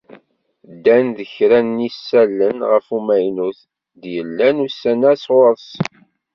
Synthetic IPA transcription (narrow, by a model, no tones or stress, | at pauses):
d̪ːænðəçɾænːisːælːənʁəfumæjnuθ | d̪jəlːænusːænæsʁoɾˤs